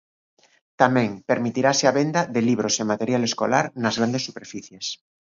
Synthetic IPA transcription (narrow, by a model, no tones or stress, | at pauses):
t̪amẽŋpeɾmit̪iɾaseaβend̪aðeliβ̞ɾosemat̪eɾjalesko̰la̰ɾnazɣɾand̪esːupeɾfiθjes